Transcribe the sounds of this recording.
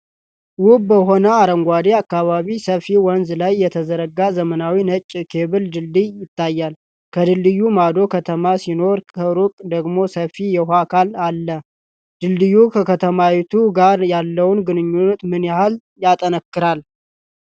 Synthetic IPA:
wʊbbəɦo̞nəaɾəŋɡʷad̪eakːaβaβisəfiwɔnzlajːɛt̪ʰəzəɾəɡazəmənawinət͡ʃʼːkʰe̞βɨld̪ɨldɨjjɪt̪ːajːal | kʰəd̪ɨlːɨjːumad̪o̞kʰət̪ʰəmasino̞ɾkʰəɾukʼd̪əɡmo̞səfijɛɦʷakʰalalːə | d̪̥ɨlːɨjːukʰəkʰət̪ʰəmawɛt̪ʰuɡaɾjalːəwnɡɨnɨɲːunːət̪mɨnjahal | jat̪ʼənəkːɨɾal

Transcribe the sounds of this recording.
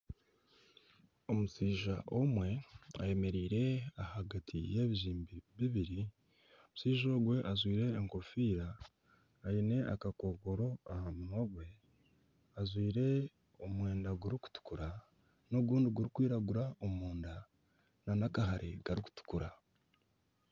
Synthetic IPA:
o̞musiːʒaʔomwe̞a̰je̞me̞ɾiːɾe̞ahaɡatʰḭje̞βiʒiːmbiβiβiɾi | omusiːʒo̞ɡwe̞ʔazwiːɾe̞ːŋko̞fiːɾaː | ine̞ʔakako̞ːɡo̞ɾo̞ahamunoɡwe̞ | azwiːɾe̞ | omwe̞ːndaɡuɾiku̥tu̥kuɾa | noɡuːndiɡuɾikwiːɾaɡuɾaomuːnda | nanakaɦaɾʔeɡaɾiku̥tu̥kuɾa

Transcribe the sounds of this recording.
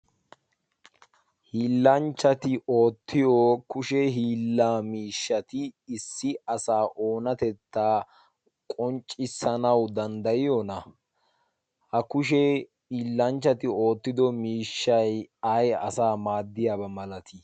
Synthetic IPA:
hiːlːɐnt͡ʃːɐt̪ɪʔo̞ːt̪ːɪjokʊʃɛɦiːlːaːmiːʃːɐt̪ɪːsːɪɐsaːʔo̞ːnɐt̪ɛt̪ːaː | kʼɔnt͡ʃʼːɪsːɐnɐwd̪ɐnd̪ɐjɪjɔnɐ | hɐkʊʃ̬ɛ | iːlːɐnt͡ʃːɐt̪ɪo̞ːt̪ːɪd̪ɔmiːʃːɐjɐjɐ̰saːmaːd̪ːɪjabɐmɐlɐt̪ʰɪ

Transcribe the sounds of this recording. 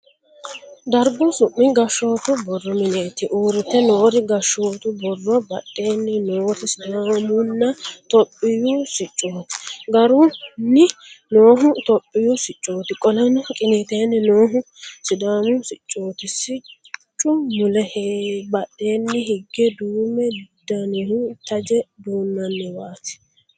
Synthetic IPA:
d̪ɐɾɡʊsʊʔːɪɡɐʃːo̞ːt̪ʊbɔrːɔmɪneːt̪ɪʔuːɾɪt̪ːɛnoːɾɪɡɐʃːoːt̪ʊbɔrːɔbɐɗːeːnːɪnoːt̪ɪsɪd̪aːmʊnːɐt̪ɔpʼːɪjʊsɪt͡ʃʼːoːt̪ɪ̥ɡɐɾʊnːɪno̞ːɦʊt̪ɔpʼːɪjʊsɪt͡ʃʼːoːt̪ɪkʼɔlɐnɔkʼɪneːt̪eːnːɪnoːɦʊ | sɪd̪aːmʊsɪt͡ʃʼːoːt̪ɪsɪt͡ʃ | t͡ʃʼːʊmʊlɛhbɐɗːe̞ːnːɪhɪɡːɛd̪uːmɛd̪ɐnehut̪ɐd͡ʒɛd̪uːnːɐnːɛbaːt̪ɪ̥

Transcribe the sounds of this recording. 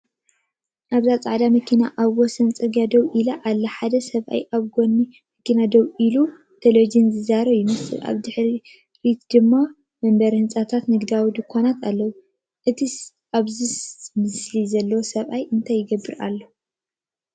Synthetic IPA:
ʔaβzat͡sʼaʕd̪amɐkʰina̰ʔaβwɔsɐnt͡sʼɨɡad̪ɐwʔilaʔalːɐħad̪ɐsɐβʔa̰jʔaβɡo̞nimɐkinad̪owʔilu | t̪ʰelod͡ʒɨnzɨzaɾɐβjɪmɨsɨ̰lʔa̰βd̪ɨħɾi | ɾit̪d̪ɨmːa | mɐmbɐɾhɨnt͡sʼat̪ʰat̪nɨɡd̪awid̪ɨkʰːonat̪ʰalːɐwu | ʔɨt̪ʰi | ʔaβzimɨslizɐlːɐwosɐβʔajɨnt̪ʰajːɪɡɐbːɨɾa̰lːo

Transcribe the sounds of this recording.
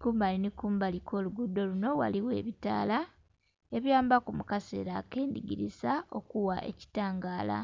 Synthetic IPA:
kuːmbalinikuːmbalikʰo̞ːluɡudːo̞luno̞wa̰liwḛːβita̰ːla | e̞βjaːmbakumukase̞̰ɾake̞ːndiɡiɾizao̞kuwaʔe̞̰ci̥taːŋɡaːla̰

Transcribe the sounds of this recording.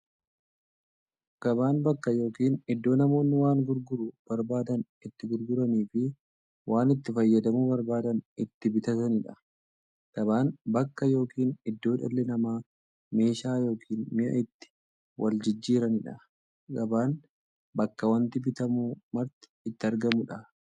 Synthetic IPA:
ɡ̥ɐbaːnbɐkːɐjo̞ːkiːnɪd̪ːo̞ːnɐmo̞ːnːɪwaːŋɡʊɾɡʊɾʊb̥ɐɾbaːd̪ɐn | ɪt̪ːɪɡʊɾɡʊɾɐniːfɪ | waːnɪt̪ːɪfɐjːɐd̪ɐmubɐɾbaːd̪ɐnɪt̪ːɪbɪt̪ɐt̪ɐnɪᶑɐ | ɡ̥ɐbaːnbɐkːɐjo̞ːkiːnɪd̪ːo̞ːᶑɐ̰lːɛnɐmaː | me̞ːʃaːjo̞ːkʰiːnmɪʔɐ̰ʔɪt̪ːɪ̥ | wʔɐld͡ʒɪd͡ʒːiːɾɐnɪᶑɐ | ɡɐbaːn | bɐkːɐwɐnt̪ɪbɪt̪ɐmumɐɾt̪ɪ̥ːt̪ːɪɐɾɡɐmʊᶑɐ

